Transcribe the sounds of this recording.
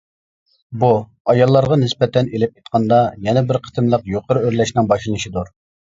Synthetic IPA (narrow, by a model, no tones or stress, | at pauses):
bu | ɑjɑlˠːɑɾʁɑnɪspɛt̪ɛnelɪp̚it̪̚qʰɑnd̪ɑjɛnɛbɪɾqʰə̥t̪ʰɨmlˠəqjoqʰəɾøɾlɛʃnɪŋbɑʃlˠɨnɨʃid̪uɾ